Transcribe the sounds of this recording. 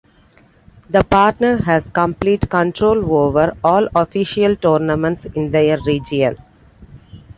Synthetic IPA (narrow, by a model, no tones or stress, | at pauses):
d̪əpaːɾʈnəɾɦæzkə̃mpliːʈkə̃ɳʈɾoːloːʋəɾɔːlɔfiʃiəlʈɔːɾnəmə̃ɳʈsɪ̃nd̪eəɾːiːd͡ʒiə̃n